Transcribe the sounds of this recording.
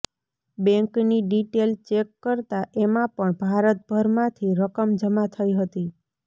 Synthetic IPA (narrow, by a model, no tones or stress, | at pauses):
bɛ̃ŋkniɖiʈelt͡ʃekːəɾt̪aʔemãpəɳbʱaɾət̪̚bʱəɾmãt̪ʰiɾəkəmd͡ʒəmat̪ʰəiɦət̪i